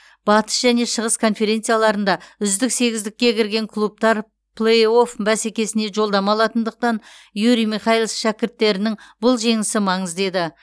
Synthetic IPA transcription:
b̥ɑt̪ə̥sʒæne̞ʃəʁəskʰo̞nfe̞ɾʲe̞nt̪sijalˠɑɾənd̪ɑʏzd̪ɪkse̞ɡʲɪzd̪ɪkʲːe̞kʲʰɪɾɡʲe̞ŋkʰlˠup̚t̪ɑɾ | pʰlˠejo̞fbæsekʲe̞sɪne̞ʒo̞lˠd̪ɑmɑlˠɑt̪ənd̪əq̚t̪ɑnjuɾijmiχɑjilˠsʃækʲɪɾt̪ːe̞ɾɪnɪŋbʊlˠʒe̞ŋɪsɪmɑɴəzd̪e̞d̪ɪ

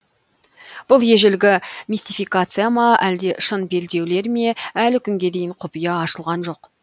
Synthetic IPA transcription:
b̥ʊlˠje̞ʒɪlɡʲɪmʲisʲt̪ijfijkat̪sɨjamɑæld̪e̞ʃənbe̞ld̪e̞wle̞ɾme̞ælɪkʲʰʏŋɡʲe̞d̪e̞jɪɴqʰʊpijɑɑʃəlˠʁɑnʒo̞q

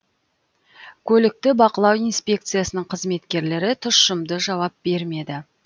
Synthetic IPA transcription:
kʲʰɵlɪk̚t̪ɪbɑqəlˠɑwijnspʲe̞k̚t̪sɨjasənəɴqʰəzme̞t̪kʲe̞ɾle̞ɾɪt̪ʰʊʃʃəmd̪əʒɑwɑp̚b̥e̞ɾme̞d̪ɪ

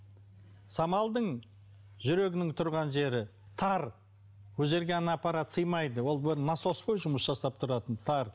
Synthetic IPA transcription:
sɑmɑlˠd̪əɴ | ʒʏɾe̞ɡʲɪnɪŋt̪ʰʊɾʁɑnʒe̞ɾɪ | t̪ʰɑɾ | wɵze̞ɾɡʲeɑnɑpɑɾɑt̪səjmɑjd̪əwo̞lˠbɪɾnɑso̞sqojʒʊməsʒɑsɑp̚t̪ʰʊɾɑt̪ənt̪ʰɑɾ

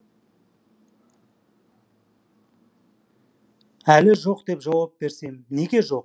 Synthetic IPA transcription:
ælɪʒo̞qd̪e̞pʒɑwɑp̚be̞ɾse̞mne̞ɡʲe̞ʒo̞q

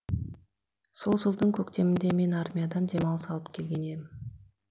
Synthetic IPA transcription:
so̞lˠʒəlˠd̪əŋkʲʰɵkt̪e̞mɪnd̪e̞me̞narmʲijad̪ɑnd̪e̞mɑlˠəsɑlˠəp̚kʲʰe̞lɡʲe̞ne̞mɪn

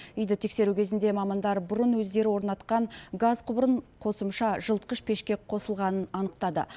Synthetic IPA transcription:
ʏjd̪ɪt̪ʰe̞kse̞ɾukʲʰe̞zɪnd̪e̞mɑmɑnd̪ɑɾbʊɾənwɵzd̪e̞ɾɪwo̞ɾnɑt̪qɑɴɡazqʰʊbɾəɴqʰo̞səmʃɑʒəlˠt̪̚qəʃpʰe̞ʃkʲe̞qʰo̞səlˠʁɑnənɑnəqt̪ɑd̪ə̰

